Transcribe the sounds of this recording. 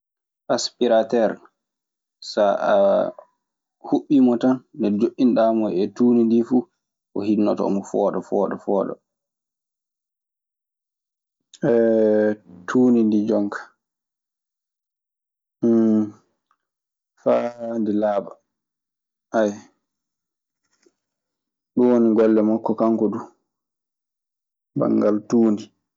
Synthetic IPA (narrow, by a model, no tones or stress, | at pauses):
ʔaspiɾatɛɾ | saa̰ | huɓːimɔtanːdɛd͡ʒoʔːinɗamɔjɛtuːnindifuː | ʔɔ̰hinːɔtɔɔ̰mɔfɔːɗɔfɔɗɔfɔːɗɔ̰ | ɛ | tʰuːnindid͡ʒɔŋkʰḁ | fandilaːba | ʔaj | ɗuwoniɡɔlːɛmakːɔkaŋkɔdu | ba̰ŋɡaltuːni